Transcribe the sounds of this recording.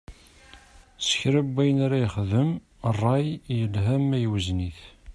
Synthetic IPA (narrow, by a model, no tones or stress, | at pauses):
sə̥çɾæbːæjənaɾæjχðəm | rˤːɑjjəlɦæmːæjwəzniθ